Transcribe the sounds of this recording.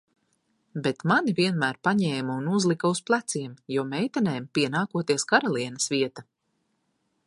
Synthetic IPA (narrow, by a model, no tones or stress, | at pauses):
bet̪manivʲiɛnmæːɾpaɲɛːmaunuzlˠikausplˠæt̪siɛmjuɔmɛjt̪ɛnɛːmpiɛnaːkuɔt̪iɛskaɾɔlˠiɛnɐsviɛt̪a